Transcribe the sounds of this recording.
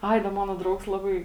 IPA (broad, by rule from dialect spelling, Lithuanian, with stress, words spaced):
ˈɐɪ dɐ ˈmɑːnoː ˈdrɐʊks ˈlˠɑːbɐɪ